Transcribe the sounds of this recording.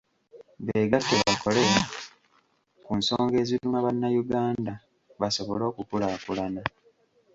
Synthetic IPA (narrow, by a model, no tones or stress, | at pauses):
βe̞ːɡatːeβako̞le̞a | kunso̞ːŋɡe̞ːziumaβanːajuɡaːnda | βaso̞βo̞lo̞ːkupulaːkulana